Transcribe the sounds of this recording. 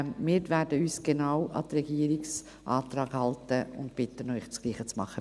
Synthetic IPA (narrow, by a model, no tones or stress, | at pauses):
miːɾvɛːɾdəyːsɡ̥enaʊwʔɑ̰dəɾɛɡiːəɾɪks | ʔɑːtɾɑːɡ̥hɑltəʊ̰ntb̥ɪtːənœʏxsɡ̥liːχət͡smɑ̰χːə